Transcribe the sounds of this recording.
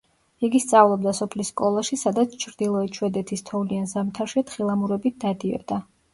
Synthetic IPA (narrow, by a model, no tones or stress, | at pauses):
iɡist̪sʼavlˠɔb̚d̪asɔpʰlisːkʼɔlˠaʃisad̪at̪sʰt͡ʃʰɾd̪ilˠɔɛt͡ʃʰwɛd̪ɛt̪ʰist̪ʰɔvlianzamt̪ʰaɾʃɛt̪χilˠamuɾɛbit̪̚d̪ad̪iɛ̰d̪a